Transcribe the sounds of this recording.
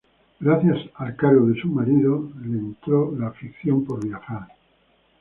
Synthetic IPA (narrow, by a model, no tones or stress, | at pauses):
ɡɾaθjasalkaɾɣoðe̞sumaɾiðolent̪ɾolaːfikθjo̞mpo̞ɾβjaxaɾ